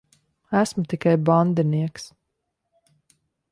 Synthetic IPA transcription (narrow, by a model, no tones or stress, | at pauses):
æsmut̪ikajband̪iniɛks